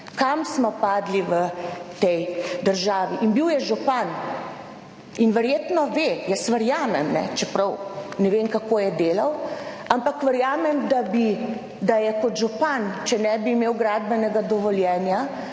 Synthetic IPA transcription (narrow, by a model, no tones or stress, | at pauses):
kamsmɔpaːd̪liʋət̪ɛjd̪əɾʒaːʋiʔinbiwjɛʒupan | inʋɛɾjeːt̪nɔʋejəsʋəɾjaːmɛmnɛ̰t͡ʃɛpɾɐwnɛʋeŋkakoːjɛd̪eːlaw | ampakʋəɾjaːmɛmd̪abi | d̪ajɛkɔt̪ʒupant͡ʃɛnɛbiːmeːwɡɾaːd̪bɛnɛɡad̪ɔʋɔljɛːnja